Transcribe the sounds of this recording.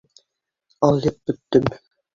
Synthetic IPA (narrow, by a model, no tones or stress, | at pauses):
ɑlˠjɤp̚bɵ̆t̪ːɵm